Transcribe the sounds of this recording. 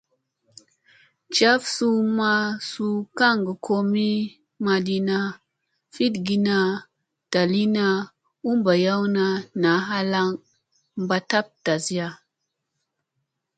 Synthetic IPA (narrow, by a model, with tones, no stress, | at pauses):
t͡ʃa˦fsu˦ma˦su˦ka˦˨ŋɡə˨kʰo˦mi˦ | ma˨di˨na˦ | fi˦dɡi˨na˨ | d̥a˨li˦na˦ | u˦mba˨ja˦wna˨na˨˦ɦa˦la˦ŋ | mba˨ta˦p̚ta˨zi˦ja˦